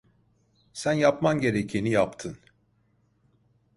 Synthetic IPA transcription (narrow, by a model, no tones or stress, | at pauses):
sænjapmanɟe̞ɾecʰinijapt̪ʰɯn